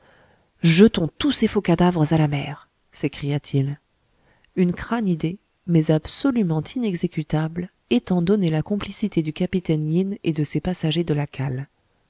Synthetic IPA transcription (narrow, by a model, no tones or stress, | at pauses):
ʒət̪ɔ̃t̪usefokad̪avʁəzalamɛːʁ | sekχijat̪ʰil | ynkχanid̪e | mɛzabsɔlymɑ̃t̪ʰinɛɡzekʲyt̪abl | et̪ɑ̃d̪ɔnelakɔ̃plisit̪ed̪ykapit̪ɛnjined̪əsepasaʒed̪əlakʰal